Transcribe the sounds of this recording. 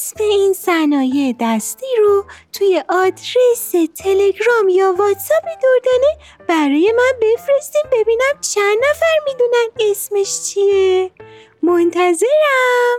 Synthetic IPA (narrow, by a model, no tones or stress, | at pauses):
smeinsænɒːjed̪æst̪iːɾot̪ʰuːje̞ʔɒd̪ɾeset̪ʰele̞ɡɾɒmjɒːvɒt̪sæpid̪oɾd̪æne | b̥æɾɒːjemænbe̞fɾe̞st̪imbe̞biːnæmt͡ʃʰænd̪ːæfæɾmid̪unæme̞smeʃt͡ʃʰie | mont̪ʰæze̞ɾæm